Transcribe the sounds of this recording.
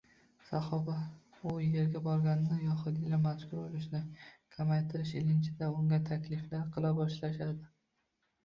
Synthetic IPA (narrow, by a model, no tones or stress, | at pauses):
saχɒba | ʊje̞ɾɡʲabɒɾɡʲanɪnɪjɒχʊd̪ɪlamaʃkʊɾbolɪʃnɪkʲʰamajt̪ʰɪɾɪʃɪlɪnt͡ʃʰɪd̪aʊŋɡʲat̪ʰakʲʰlɪflaɾqʰɨlˠabɒʃlaʃad̪ɪ